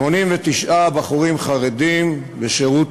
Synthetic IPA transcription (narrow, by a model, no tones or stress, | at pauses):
o̞nimvet̪iʃʔabaχuʁimχaʁed̪im | beʃeʁut